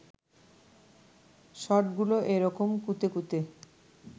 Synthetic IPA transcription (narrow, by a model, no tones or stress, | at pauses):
ʃɔʈɡuloʔeɾɔkomkut̪ekut̪e